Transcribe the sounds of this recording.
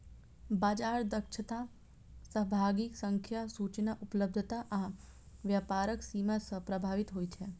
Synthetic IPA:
baːd͡ʒaːɾd̪əkʃʰət̪a | səɦbʱaːɡɪksə̃ŋkʰjasut͡ʃnaʔʊpləb̚d̪ʱət̪aʔã | ʋjaːpaːɾəksiːmasəpɾəbʱaːʋɪt̪ɦoːit͡ʃʰe

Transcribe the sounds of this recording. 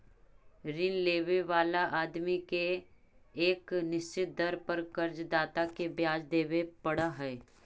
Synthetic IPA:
ɾɪnleːʋeʋaːlaʔaːd̪mikeː | knɪʃt͡ʃɪt̪̚d̪ɐɾpɐɾkɐɾd͡ʒd̪aːt̪akebjaːd͡ʒd̪eːʋepɐɽaɦɛː

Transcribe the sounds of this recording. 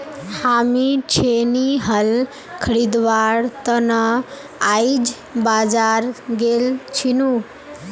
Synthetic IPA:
hamit͡ʃʰeniɦəl | kʰəɾid̪ʋaɾt̪ənə | ajd͡ʒ | bad͡ʒaɾɡelt͡ʃʰinu

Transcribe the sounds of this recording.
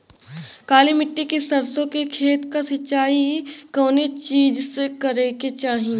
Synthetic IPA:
kaːlimɪʈːikesɐɾsõkekʰeːt̪kasɪt͡ʃaːikɔːnet͡ʃiːd͡ʒsekɐɾeket͡ʃaːɦĩ

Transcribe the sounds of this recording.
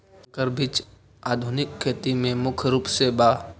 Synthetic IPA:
kəɾbʱit͡ʃ | aːd̪ʱʊnɪkʰːeːt̪imẽmʊkʰɾuːpsebaː

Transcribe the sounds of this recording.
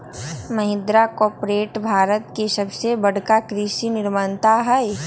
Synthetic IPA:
mɐɦɪ̃nd̪ɾakɔːpɾeːʈbʱaːɾət̪kesɐbsebɐɽkakɾiːʃinɪɾmaːnt̪aɦɛe

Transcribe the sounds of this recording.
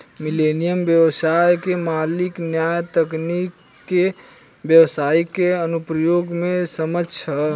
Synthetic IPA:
milenijəmbjəwsajkemaliknjajt̪əknikː | e | bjəwsaikeənupɾəjoɡmesəmət͡ʃʰə

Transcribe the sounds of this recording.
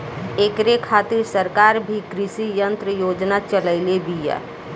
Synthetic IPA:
ekɾekʰat̪ɪɾsəɾkaːɾbʱikɾɪsijə̃nt̪ɾəjoːd͡ʒnat͡ʃələɪlebija̰

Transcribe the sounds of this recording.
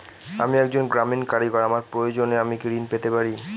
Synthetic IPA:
a̰miɛk̚d͡ʑonɡɾaminkaɽiɡɔɾamaɾpɾojod͡ʑoneamikɾinpet̪epaɾi

